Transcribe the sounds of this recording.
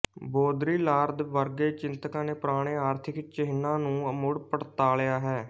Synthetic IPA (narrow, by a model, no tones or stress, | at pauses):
boːd̪ɾiːlaːɾd̪ʋəɾɡeːt͡ʃɪnt̪əkãːneːpɾaːɽ̃eːaːɾt̪ʰɪkt͡ʃəɦɪnãːnũːəmʊɽpəʈt̪aːlejaːɦɛː